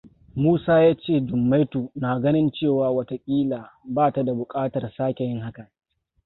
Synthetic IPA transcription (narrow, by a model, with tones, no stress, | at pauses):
muː˦saː˦jaː˦t͡ʃeː˦˨d͡ʒʊ˨mːa˦jtuː˨naː˨ɡɐ˦nɪ˦nt͡ʃeː˦˨waː˨wɐ˦ta˦kʲʼiː˦laː˨baː˦˨ta˨da˨bʊ˨kʼaː˦tɐ˨rsaː˦kʲe˨jɪ˦ŋɦa˦kɐ˨